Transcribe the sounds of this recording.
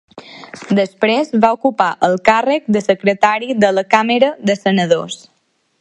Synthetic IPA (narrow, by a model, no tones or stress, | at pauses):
d̪əspɾezβaukupaʔəlˠkarək̚d̪əsəkɾət̪aɾiðələkaməɾəðəsənəðo̰s